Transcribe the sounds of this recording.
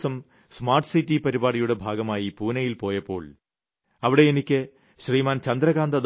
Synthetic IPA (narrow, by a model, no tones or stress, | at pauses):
sɐm | smaːrʈsitːipɐɾibaːɽijuɽe̞bʱaːɡɐmaːjipuːnɐjilpo̞ːjɐpːo̞ːɭ | ɐʋiɽe̞enikʲːɨ | ɕriːmaːnt͡ɕɐnd̪ɾɐɣaːnd̪ɐd̪